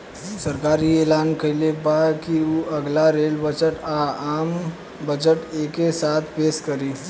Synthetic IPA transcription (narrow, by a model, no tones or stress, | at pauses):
səɾkaɾiːelankəjlepakiuʔəɡlaɾelbəd͡ʒəʈaam | bəd͡ʒəʈekesat̪ʰpeskəɾiː